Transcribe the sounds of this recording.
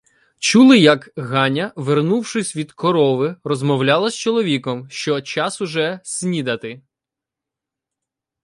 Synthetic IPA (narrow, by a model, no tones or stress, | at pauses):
t͡ʃulˠɪjɐkɦɑnʲɐʋernuwʃɪsʲʋʲid̪kɔɾɔʋɪrɔzmɔwlʲɑlˠɐsʲt͡ʃɔlˠɔʋʲikɔmʃt͡ʃɔt͡ʃɑsʊʒɛsʲnʲid̪ɐt̪ɪ